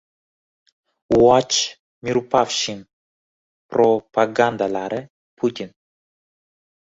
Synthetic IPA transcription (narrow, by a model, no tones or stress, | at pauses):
wwat͡ʃ | miɾupafʃim | pɾopaɡand̪alaɾe | pʰut̪ʲin